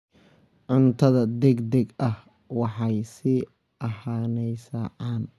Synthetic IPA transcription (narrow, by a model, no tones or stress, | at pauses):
ʕʊnt̪ʰɐðɐd̪ɛɡd̪ɛɡɐh | wɑħɑjsɪ | ʔɐhaːnɛjsɐʕɑːn